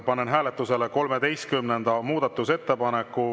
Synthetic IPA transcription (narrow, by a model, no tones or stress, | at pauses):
pɑnenɦæːle̞t̪ːˑuse̞leko̞lmed̪e̞jst̪̚kymnend̪̥ɑmuːd̪ɑt̪ːˑuse̞t̪ːe̞pɑnekːˑu